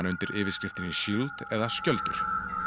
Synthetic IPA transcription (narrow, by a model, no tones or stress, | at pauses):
nʏnt̪ɪɾʔɪːvɪskɾɪft̪ɪnɪʃilt̪ɛðascœlt̪ʏɾ̥